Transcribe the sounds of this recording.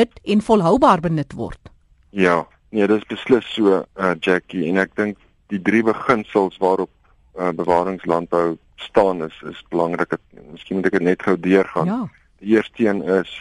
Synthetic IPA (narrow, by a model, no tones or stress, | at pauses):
ətɛnfɔlˠɦœwbɑːrbənətvɔ̰rt | jɑː | niədətəsbəsləsːuəəd͡ʒækiɛnæk̚dəŋk̚ | d̥idɾibəχənsəlˠsvɑːɾɔp̚ | əbəvɑːɾəŋslɐnt̚bəw | stɑːnəsə̰sbəlɐŋrəkət̚məskinmutækətnɛtχəwdiərχɑːn | d̥iiərstiənəs